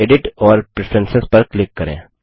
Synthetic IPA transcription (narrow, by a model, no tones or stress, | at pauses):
eːɖɪʈɔːɾpɾɪfʰɾɛnsɪspɐɾklɪkːɐɾḛ̃ː